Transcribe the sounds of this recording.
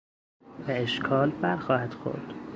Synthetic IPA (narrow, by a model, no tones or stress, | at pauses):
beeʃkʰɒːlbæɾxɒːhæd̪̥xo̰ɾd̪̥